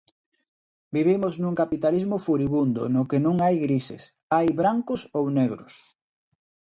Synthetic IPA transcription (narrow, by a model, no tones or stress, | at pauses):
biβimʊznũŋkapit̪alizmʊfuɾiβund̪ʊ̰nʊkɪnõŋajɣɾisɪ̰s | ajβɾaŋkʊsowneɣɾʊs